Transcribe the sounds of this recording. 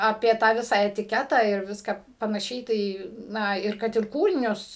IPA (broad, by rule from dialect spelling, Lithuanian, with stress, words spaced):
ˈɑːpʲiɛ tɑː ˈʋʲɪsɑː ɛtʲɪˈkʲæːtɑː ɪr ˈʋʲɪskɑː pɐnɐˈʃʲɛɪ ˈtɐɪ ˈnɐ ɪr ˈkɐt ɪr ˈkuːrʲɪnʲʊs